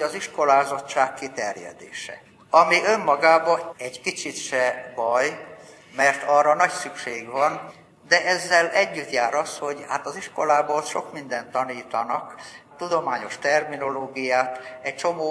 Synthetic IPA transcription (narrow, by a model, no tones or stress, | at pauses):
oɒziʃko̞laːzo̞t͡ʃːaːkːit̪ɛrjɛ̰d̪ḛːʃɛ̰ | ɒmiʔømːɒɡaːbɒɛɟkit͡ʃit̪ʃɛbɒj | mɛrt̪ɒrːɒnɒcsykʃḛːɡʋɒn | d̪ɛʔɛzːɛlɛɟːyt̪jaːɾɒsho̞ɟha̰ːt̪ɒziʃkolaːbot̪ʃo̞kmind̪ɛnt̪ːɒniːt̪ɒnɒkt̪ud̪o̞maːɲo̞ʃt̪ɛrmino̞loːɡijaːt̪ɛc̚t͡ʃo̞moː